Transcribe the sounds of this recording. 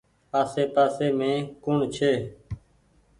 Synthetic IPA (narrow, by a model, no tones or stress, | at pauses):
aːseːpaːseːmẽːkʊɳt͡ʃʰeː